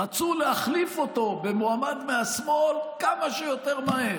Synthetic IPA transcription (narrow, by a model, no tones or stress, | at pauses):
at͡sulehaχlifo̞t̪o̞be̞moamad̪measmo̞lkamaʃejo̞t̪eʁmae